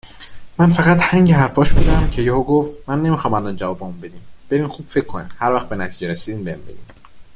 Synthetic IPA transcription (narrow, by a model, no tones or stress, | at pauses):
mænfæɣæt̪hæŋɟeɦæɾfɒːʃbuːd̪æmcʰe̞jehoɡoft̪mænːe̞miːxɒːmænld̪ɒnd͡ʒævɒːbemumbe̞d̪imb̥e̞ɾiːmxuːb̥fe̞cʰːonḭmhæɾvæxt̪be̞næt̪ʰiːd͡ʒeɾesiːd̪iːmbeimbḛɟḭm